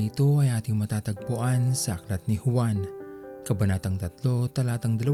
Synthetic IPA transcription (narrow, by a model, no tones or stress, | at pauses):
ɪt̪o̞ɐjaːt̪ɪŋmɐt̪aːt̪ɐɡ̚pʊʔansɐʔɐklɐt̪̚nɪhʊwankɐbɐnaːt̪ɐŋt̪ɐt̪lo̞t̪ɐlaːt̪ɐŋd̪ɐlɐ